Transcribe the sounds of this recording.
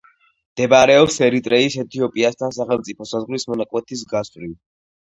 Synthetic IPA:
md̪̥ɛbaɾɛɔpsɛɾit̪ʼɾɛisɛt̪ʰiɔpʼiast̪ʰansaχɛlˠmt̪sʼipʰɔsazʁwlismɔnakʼwɛt̪ʰis̬ɡasɾil

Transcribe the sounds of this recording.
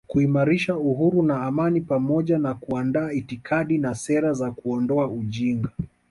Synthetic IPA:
kuimaɾiʃauɦuɾunaːmanipamɔʄanakuandaːitikʰaɗinasɛɾazakuɔndɔauʄiŋɡa

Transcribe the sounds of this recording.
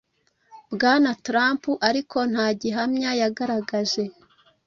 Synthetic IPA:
bɡaːnatɾaːmpuʔaɾikʰo̞n̥haːɟiɦamɲajaɡaɾaɡaze̞

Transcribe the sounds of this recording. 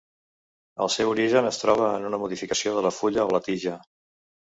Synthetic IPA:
ə̰lˠsɛwuɾiʒənəst̪ɾɔβ̞əːnunəmuðifikəsioðələfuʎəɔlət̪iʒə

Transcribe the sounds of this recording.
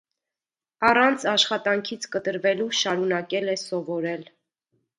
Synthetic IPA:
ɑrɑnt͡sʰɑʃχɑt̪ɑŋkʰit͡sʰkət̪əɾvɛluʃɑɾunɑkɛlɛsɔvɔɾɛl

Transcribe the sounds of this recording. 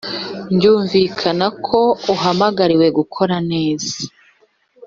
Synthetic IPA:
ɲɟuːɱviːkʰanakʰo̞uɦamaɡaɾiwe̞ɡukʰo̞ɾane̞ːz̥a

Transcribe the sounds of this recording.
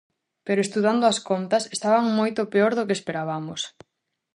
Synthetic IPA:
peɾoest̪uðand̪oɐskont̪ɐsest̪aβaŋmojt̪opeoɾðokespeɾaβamos

